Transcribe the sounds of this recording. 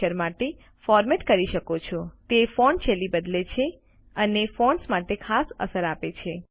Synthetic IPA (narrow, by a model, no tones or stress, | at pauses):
əɾmaʈe | fɔɾmeʈkəɾiʃəkot͡ʃʰot̪efoɳt͡ʃʰelibəd̪let͡ʃʰe | ənefoɳsmaʈekʰasə̰səɾapet͡ʃʰe